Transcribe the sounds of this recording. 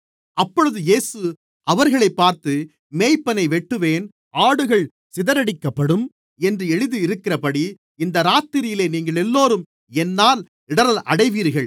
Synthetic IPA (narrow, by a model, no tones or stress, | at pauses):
ɐpːɔɻɯðɯjeːsɯ | ʔɐʋɐɾɣɐɭɐɪpːaːɾt̪ɯ | meːjpːɐnɐɪʋɛʈːɯʋeːn | aːɽɯɣɐɭ | sɪðɐɾɐɽɪkːɐpːɐɽɯm | ɛndrɯɛɻɯðɯɪɾɯkːɪrɐpɐɽi | ɪnd̪ɐɾaːt̪ːɪɾɪjɪleːniːŋɡɐɭɛlːoːɾɯm | ɛnːaːl | ɪɽɐɾɐlʔɐɽɐɪʋiːɾɣɐɭ